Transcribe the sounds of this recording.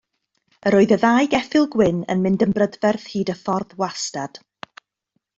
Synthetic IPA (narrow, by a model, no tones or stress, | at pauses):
əɾoːɨðəðaːjɡɛfɪlˠɡwɪnə̰nmɪndəmbrədvɛrθhiːdəfɔrðwastad̥